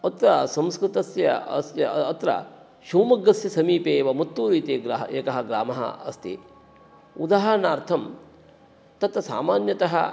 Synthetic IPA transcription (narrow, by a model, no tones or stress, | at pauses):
ɐt̪ɾɐsɐ̃mskɾɪt̪ɐsjɐ̰ɐ̰sjɐɐt̪ɾɐ̰ | ʃuːmɐɡːɐsjɐsɐmiːpeːʋɐmut̪ːuːɾiːt̪eːɡɾaɦɐ̰ḛːkɐɦɐɡɾa̰ːmɐɦɐ̰ɐ̰st̪ḭ | ud̪aːɦɐnaːɾt̪ʰɐm | t̪ɐt̪ɐsa̰ːmaːnjɐt̪ɐɦɐ̰